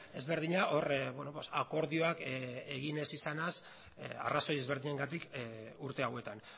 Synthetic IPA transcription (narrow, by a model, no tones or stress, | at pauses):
e̞zβe̞ɾðiɲaʔo̞rbwenoposako̞ɾðio̞akeɣine̞sisanas | a̰raso̞jezβe̞ɾðiɲe̞ŋɡat̪ikuɾt̪e̞awe̞t̪an